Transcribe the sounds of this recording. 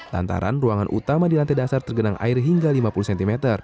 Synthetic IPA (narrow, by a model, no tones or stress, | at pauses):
la̰nt̪a̰ɾa̰nruaŋanʔṵt̪amadilant̪ɛdasart̪ərɡənaŋʔa̰ɪrɦiŋɡalimapulusɛnt̪imɛt̪ər